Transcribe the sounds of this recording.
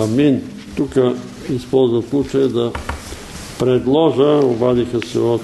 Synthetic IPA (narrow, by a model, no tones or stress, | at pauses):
min | t̪ukə | ispɔlˠzvəfslˠut͡ʃəjəd̪ɐ | pɾɛd̪lˠɔʒəobad̪ixəsɛot̪